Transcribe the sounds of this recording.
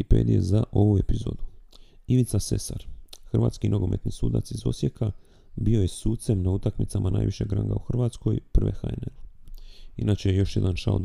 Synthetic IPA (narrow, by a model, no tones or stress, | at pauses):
ipeːd̪ijezaʔo̞ʋuepizoːd̪u | iʋit̪sase̞sa̰ɾxr̩ʋa̰ːt̪skinʔoɡo̞me̞t̪nisuːd̪a̰t̪sizo̞̰sjekʰa | bio̞je̞suːt̪se̞mnaut̪akmit̪samana̰ːjʋiʃe̞ɡɾa̰ŋɡa̰uxr̩ʋaːt̪sko̞jpr̩ʋe̞̰xaenen | inat͡ʃejejo̞ʃjed̪anʃa̰ld̪